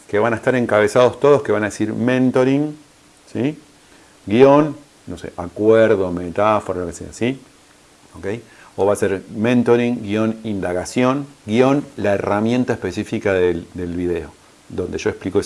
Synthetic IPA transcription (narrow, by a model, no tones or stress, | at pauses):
keβanaest̪aɾe̞ŋkaβe̞sað̞o̞st̪o̞ðo̞ske̞βanaðesiɾmẽnt̪oɾiŋ | si | ɡio̞n | nːosḛʔakweɾðo̞met̪afoɾaolo̞kesḛʒa̰si | oke̞j | oβaːseɾmẽnt̪o̞ɾiŋɡio̞nind̪aɣasjo̞nɡjo̞nlaeramje̞nt̪aehpe̞sifikaðed̪e̞lβiðeo | d̪o̞nd̪e̞ʒo̞e̞hpliko